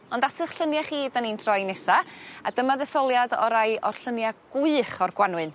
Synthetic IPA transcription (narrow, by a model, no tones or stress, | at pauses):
ɔndasəχɬənjaχiːdanintʰrɔjnɛsaadəmaðɛθɔlˠjadɔɾajʔɔrɬənjaɡ̥ʊɨχɔrɡwanwɨn